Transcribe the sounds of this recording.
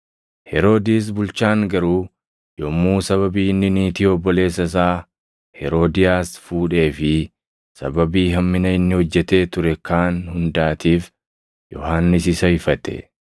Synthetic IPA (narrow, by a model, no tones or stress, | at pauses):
hɛɾo̞ːd̪iːs̬bʊlt͡ʃaːŋɡɐɾuː | jɔmːuːsɐβɐbiːnːɪniːt̪iːɔbːɔle̞ːs̬ːɐs̬aː | hɛɾo̞ːd̪ɪjaːsfuːᶑe̞ːfɪ | sɐ̰bɐbiːɦɐmːɪnɐɪnːɪhɔd͡ʒːɛt̪e̞ːt̪ʊɾɛkaːnhʊnd̪aːt̪iːf | jɔ̰haːnːɪsɪsɐhɪfɐt̪ɛ̰